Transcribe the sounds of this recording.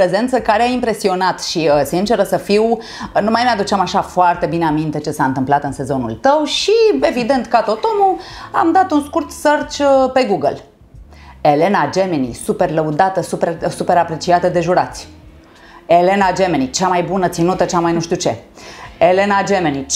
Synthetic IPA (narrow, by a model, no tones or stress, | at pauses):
pɾe̞ze̞nt̪səkaɾeaimpɾe̞sio̞nat̪ʃiəsint͡ʃe̞ɾəsəfiw | numajmead̪ut͡ʃamaʃafoart̪e̞bineamint̪e̞t͡ʃe̞saɨnt̪ɨmplat̪ɨnse̞zo̞nṵlt̪əwʃie̞vid̪e̞nt̪kat̪ot̪o̞mua̰md̪at̪unskurt̪sərt͡ʃəpe̞ɡuɡəl | e̞le̞nad͡ʒe̞menḭsupe̞rləud̪at̪əsupersupe̞ɾapɾe̞t͡ʃiat̪əd̪e̞ʒuɾat̪sʲ | e̞le̞nad͡ʒe̞me̞nit͡ʃamajbunət̪sinut̪ət͡ʃamajnuʃt̪iut͡ʃe̞ele̞nad͡ʒemeni